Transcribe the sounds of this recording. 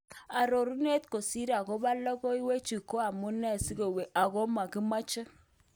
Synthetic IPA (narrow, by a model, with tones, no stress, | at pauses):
a˨ɾo˨ɾu˦ne˦t̪ko˨si˦ɾa˨ko˦ba˦lɔ˦kɔ˦i˦we˦t͡ʃi˨ko˦a˨mʊ˦nɛ˦˨si˦ɡo˨we˨ʔa˨ɣɔ˦ma˨ki˦ma˦t͡ʃɪ˦